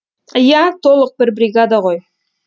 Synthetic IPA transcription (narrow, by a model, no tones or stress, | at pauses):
jæt̪ʰo̞lˠəq̚bɪɾbɾʲiɡad̪aʁo̞j